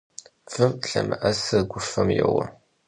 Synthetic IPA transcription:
fɨmɬɐmɐʔɐsɐɡʷʊfɐmjɛwɐ

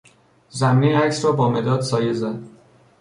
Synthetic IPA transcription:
zæmːeæcsɾɒːbɒːmed̪ɒːd̪sɒːjezænd̪

